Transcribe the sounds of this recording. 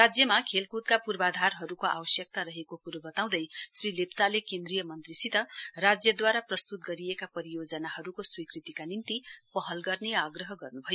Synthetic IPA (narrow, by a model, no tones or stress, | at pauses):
rad͡zjʌmakʰelkut̪̚kapurbad̪ʱarɦʌɾukoʔa̰bʌsjʌk̚t̪aɾʌɦekokuɾʌbʌt̪aw̃d̪ʌjsrilept͡salekend̪rijʌmʌnt̪risit̪ʌrad͡zjʌd̪waɾaprʌst̪ut̪̚ɡʌɾijekapʌɾijod͡zʌnaɦʌɾukoswikrit̪ikanint̪ipʌɦʌlɡʌrneaɡrʌɦʌɡʌrnubʱʌjo